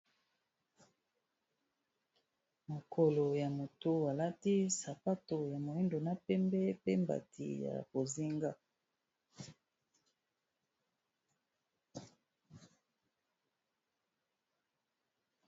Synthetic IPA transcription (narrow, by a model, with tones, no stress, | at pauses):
mo˨kʰo˨lo˨ja˨mo˨to˦a˨la˦ti˦sa˨pa˦to˨ja˨mo˨i˦ndo˨na˦pɛ˦mbɛ˦pe˦mba̰˨tʰḭ˨ja̰˨ko˨zi˦ŋɡa˦